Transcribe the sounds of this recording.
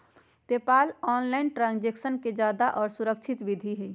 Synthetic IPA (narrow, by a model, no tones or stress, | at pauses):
t̪epaːlɔːnlaɪnʈɾãnd͡ʒeksənked͡ʒaːd̪aʔɔːɾsuɾək̚t͡ʃʰɪt̪ʋid̪ʱiɦɛ